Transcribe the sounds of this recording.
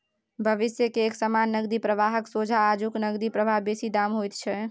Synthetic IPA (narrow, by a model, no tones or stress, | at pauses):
bʱəʋɪsjəkeːksəmanːəɡd̪ipɾəʋaɦəksod͡ʒʱaːd͡ʒuknəɡd̪ipɾəbʱaɦbesid̪amɦojt̪t͡ʃʰɛ